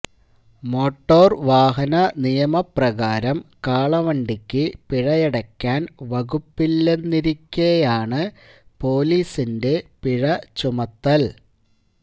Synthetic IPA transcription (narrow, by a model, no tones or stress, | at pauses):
mo̞ːʈːo̞ːrʋaːɦɐnɐnijɐmɐprɐɣaːɾɐmkaːɭɐʋɐɳɖikʲːɨpiɻɐjɛɽɐkʲːaːnʋɐɣupːilːe̞nːiɾikʲːɐjaːɳɨ | po̞ːliːsinde̞piɻɐt͡ɕumɐt̪ːɐl